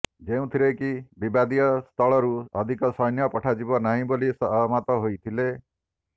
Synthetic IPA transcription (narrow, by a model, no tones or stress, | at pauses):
d͡ʒeũt̪ʰiɾekibibad̪ijɔst̪ʰɔɭɔɾuɔd̪ʱikɔsɔjnjɔpɔʈʰad͡ʒibɔnaɦĩbolisɔmat̪ɔɦojt̪ʰile